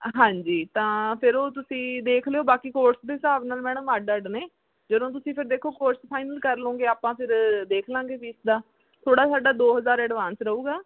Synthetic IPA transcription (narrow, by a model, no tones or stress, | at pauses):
ɦãːɲd͡ʒiːt̪ãːpʰɪɾoːt̪ʊsĩːd̪eːkʰlejoːbaːkiːkoːɾsd̪eːsaːbnaːlmɛ̃ːɽ̃maːɖəɖneː | d͡ʒəd̪õːt̪̬ʊsĩːpʰɪɾd̪eːkʰoːkoːʈspʰaːɪnəlkəɾlõːɡeːaːpãːpʰɪɾd̪eːkʰlãːŋɡeːpiːsd̪aː | t̪ʰoːɽaːsaːɖaːd̪oːɦəzaːɾɛːɖʋaːnsɾəuːɡaː